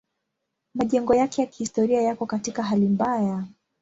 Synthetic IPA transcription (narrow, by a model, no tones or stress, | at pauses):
maʄɛŋɡɔjakɛjaki̥histɔɾiajakɔkatikaɦalimbaja